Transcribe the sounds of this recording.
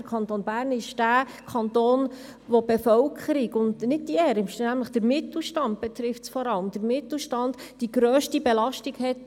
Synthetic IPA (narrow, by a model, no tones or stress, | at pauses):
əkʰɑntoːnbæːɾnɪʃd̥æːkʰɑntoːnʋɔbɛfœlkʰəɾiɡʊndnɪd̚diɛːɾɪʃnæmləχd̥əɾmɪtl̩ʃtɑnt̚b̥ɛt̪ɾɪftsfɔɾɑləmd̥əɾmɪt̪l̩ʃtɑndd̥iɡɾøːʃtibɛlɑʃtikhɛt